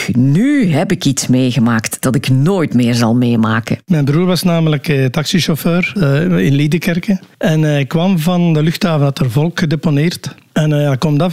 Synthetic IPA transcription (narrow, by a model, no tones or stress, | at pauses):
nyɦɛpɪkitsmeːɣəmaːktd̥ɑtɪknoːjtmɪːrzɑ̰lˠmeːjma̰ːkə̰mɛjnbɾuːɹʋɑsnaːmələktɑksiʃɔføːrɪnliːdəkɛrkəɛnɪkːʋɑmvɑndəlʏxtaːvəndɑtərvɔlˠkxədeponɪːrtɛnjakɔmdɑ